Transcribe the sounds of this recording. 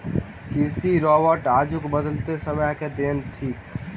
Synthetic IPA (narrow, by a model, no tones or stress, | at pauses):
kɪsiɾɔːbəɾʈaːd͡ʒʊkbəd̪əlt̪esəmjaked̪eːnt̪ʰiːk